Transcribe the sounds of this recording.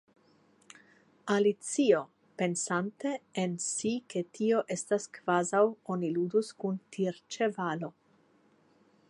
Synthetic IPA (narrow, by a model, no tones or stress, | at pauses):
alit͡sio̞ | pe̞nsante̞ensike̞tʰio̞ʔe̞staskv̥azawo̞niluduskuntʰiɾt͡ʃe̞valo̞